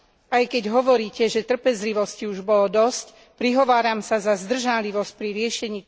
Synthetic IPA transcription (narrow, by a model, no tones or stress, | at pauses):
ajkɛɟɦɔʋɔɾiːcɛʒɛt̪r̩pɛzliʋɔsciuʒbɔlɔd̪ɔsc | pɾiɦɔʋaːɾamsazazd̪r̩ʒaliʋɔsc̚pɾiɾɪɛʃɛɲiː